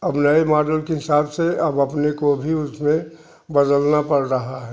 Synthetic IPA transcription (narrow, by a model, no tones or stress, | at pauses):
ɐbnəimaːɖəlkeɦɪsaːbseɐbɐpnekobʱiʊsmẽ | bɐd̪əlnapɐɽɾɐɦaɦɛ